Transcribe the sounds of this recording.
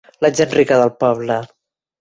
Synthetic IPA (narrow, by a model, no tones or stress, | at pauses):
ləʒenrikəðəlˠpɔβlə